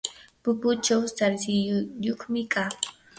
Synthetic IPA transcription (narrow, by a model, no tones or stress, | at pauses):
pʊpʊt͡ʃawsaɾsɪjjoχmɪka